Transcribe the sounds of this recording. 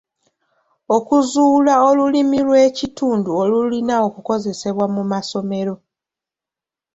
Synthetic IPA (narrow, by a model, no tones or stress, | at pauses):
okuzuːlao̞lulimilwe̞ːcituːnduo̞lulinao̞kuko̞ze̞se̞βwamumaso̞me̞ɾo̞